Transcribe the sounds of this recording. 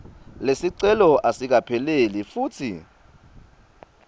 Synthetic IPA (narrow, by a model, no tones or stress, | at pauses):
lesiǀɛlɔʔasik̬apʰɛlelifuːtʰḭ